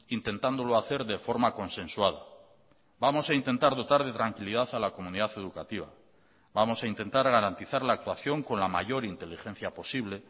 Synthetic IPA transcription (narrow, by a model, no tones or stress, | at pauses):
int̪e̞nt̪and̪o̞loaθe̞ɾðe̞fo̞ɾmako̞nsẽ̞nswaða | bamo̞saint̪e̞nt̪aɾðo̞t̪aɾð̞e̞t̪ɾaŋkiliðaθalako̞mũniðaθe̞ðukat̪iβa̰ | bamo̞saint̪e̞nt̪aɾɣaɾant̪iθaɾlaːk̚t̪waθjo̞ŋko̞nlama̰ʝo̞ɾint̪e̞lixẽ̞n̟θjapo̞siβle̞